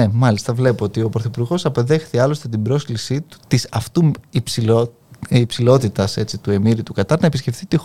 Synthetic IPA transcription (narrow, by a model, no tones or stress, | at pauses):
emɐlist̪ɐvle̞poot̪io̞pɾoθopuɾɣo̞sɐpe̞ðe̞xθiɐlo̞st̪e̞t̪̬ibɾo̞sklisit̪u̥t̪isɐft̪uipsiː | psilo̞t̪it̪ɐse̞t͡sit̪ue̞miɾit̪ukɐt̪ɐnɐepisce̞fθit̪ix